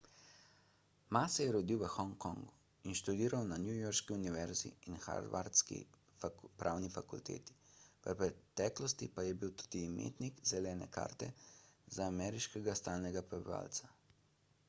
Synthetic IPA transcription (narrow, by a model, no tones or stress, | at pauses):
maːsɛjɛɾɔd̪iwʋəxɔŋkɔŋɡu | inʃt̪ud̪iːɾawnanjujɔɾʃkiuniʋɛɾzḭːnxa̰ɾd̪ʋaɾt̪skḭ | pɾʔaːwnifakult̪ḛːt̪i̥ʋəpɾɛt̪ɛːklɔst̪ipajɛbiwt̪u̥ːd̪̥iːmḛːt̪nikzɛlɛːnɛ̰ka̰ːɾt̪ɛzaːmɛɾiʃkɛɡast̪aːlnɛɡapɾɛbiʋa̰ːlt̪sḁ